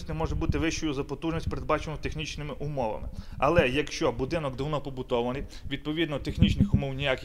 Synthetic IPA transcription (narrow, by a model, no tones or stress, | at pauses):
sʲtʲnɛmɔʒɛbut̪ɪʋɪʃt͡ʃɔjʊzɐpɔt̪uʒnʲisʲt̚ʲpeɾed̪̚bɑt͡ʃenɔt̪exnʲit͡ʃnɪmɪʔʊmɔʋɐ̰mɪ̰ɐlˠɛjɐkʃt͡ʃɔbʊd̪ɪnɔkd̪ɪwnɔpɔbʊt̪ɔʋɐnɪj | ʋʲid̪̚pɔʋʲid̪nɔt̪exnʲit͡ʃnɪxʊmɔwnʲijakʲɪ